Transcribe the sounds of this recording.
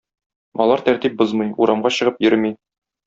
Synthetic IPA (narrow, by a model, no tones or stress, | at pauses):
ɒ̰lˠɑɾt̪æɾt̪ip̚bozmɤjuɾɑmɢɑɕɤ̆ʁɤpjɘɾmi